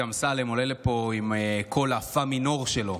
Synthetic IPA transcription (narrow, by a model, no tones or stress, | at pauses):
amsalemolelepo̞imekʰo̞lafamino̞ʁʃelo̞